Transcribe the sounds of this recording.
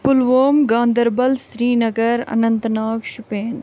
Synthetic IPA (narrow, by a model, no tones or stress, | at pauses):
pʊlʋoːmɡãːnd̪ɐɾbɐlsɾiːnɐɡɐɾɐ̰nɐnt̪naːkʃʊpeːn